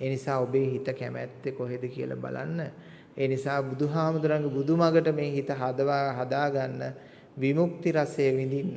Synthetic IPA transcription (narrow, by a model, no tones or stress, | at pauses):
eːnisaːobeːɦit̪əkæmæt̪ːekoɦed̪əkiə̰lʔa̰ba̰la̰nːə | eːnisaːbud̪uɦaːmud̪uɾaŋɡebud̪ʱumaɡəʈəmeːɦit̪əɦad̪əʋaɦad̪aːɡanːə | ʋimukt̪iɾasejəʋind̪inːə